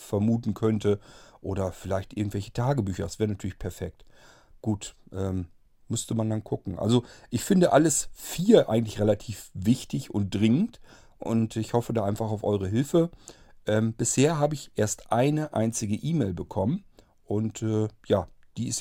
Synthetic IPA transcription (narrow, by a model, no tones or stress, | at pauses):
fɛɐmuːtn̩kʰœntʰəʔoːɾɐfɪlaɪçtʔɪɐɡŋ̩tv̥ɛlçə̥tʰaːɡəbyːçɐdasv̥eːʁənatʰyːɐlɪçpʰɛɐfɛk̚t | ɡ̥uːtʔɛːm | mʏstəmandankʰʊkŋ̩ʔa̰lzoʔɪçfɪndəʔaləsfiːɐʔa̰ɪɡŋ̩tlɪçʁelatʰiːfvɪçtɪçʊ̰nt̚d̥ʁɪŋənt | ʔʊ̰ntɪçhɔfədaːʔaɪnfaχaʊfʔɔʏʁ̞əɦɪlfə | ʔɛːmb̥ɪsheːɐɦaːbəɪçʔeːɐstʔaɪnəʔa̰ɪnt͡sɪɡəʔiːmeːɪlbəkʰɔmən | ʔʊntʔɛːjaːd̥iːɪs